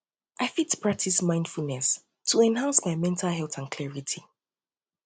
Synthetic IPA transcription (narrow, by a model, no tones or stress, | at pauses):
ʔaɪfitpʰɹ̥ak̚tʰismãɪ̃nd̥fulnɛs | tʰəɛ̃nɦãnsmaɪmɛ̃ntʰalɦɛlˠtãnkʰlɛɹitʰi